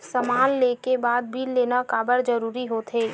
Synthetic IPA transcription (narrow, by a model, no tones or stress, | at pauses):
səmaːnleːkebaːd̪̚bʱiːlleːnakaːbəɾd͡ʒəɾuːɾiɦoːt̪ʰɦeː